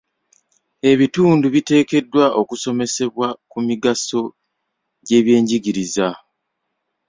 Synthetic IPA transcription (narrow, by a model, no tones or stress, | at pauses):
e̞βituːnduβite̞ːke̞dːwaʔo̞kuso̞me̞se̞βwakumiɡaso̞ | ɟe̞ːβje̞ːɲɟiɟiɾiza